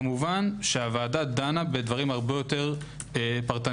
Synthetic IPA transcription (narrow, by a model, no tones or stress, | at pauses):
muvanʃeavaːdad̪anabedvaʁimhaʁbe̞jo̞te̞ʁ | epaʁt̪a